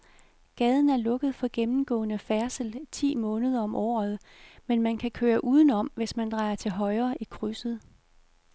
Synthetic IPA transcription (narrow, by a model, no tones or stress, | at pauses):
ɡ̥ɛːð̞ˠn̩æɐlɔ̽ɡ̥əð̞̩ˠfɒ̽ɡ̥emm̩ɡ̥ɔ̰̽ːnəfæɐsəlt͡sʰḭːmɔ̽ːnəð̞ˠɐɒ̽mʔɒ̰ːð̩ˠ | menmænkʰækʰøːɐʔuːð̞ˠn̩ɒ̽m̰ʋe̝smænd̥ʁɑ̈ɪɐt͡sʰe̝lɦɒ̽ɪɐːʔikʰʁysəð̞̩ˠ